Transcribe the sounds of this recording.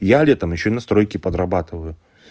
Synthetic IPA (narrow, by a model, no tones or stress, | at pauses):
jalʲɛt̪əmjɪɕːoinɐst̪ɾo̞jkʲɪpəd̪ɾɐbat̪ɨvəjʊ